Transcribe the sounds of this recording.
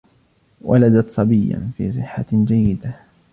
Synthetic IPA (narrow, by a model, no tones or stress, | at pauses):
wʔa̰lad̪at̪sˤɑbɪjːa̰nfḭːsˤɨħːad͡ʒajːɪd̪a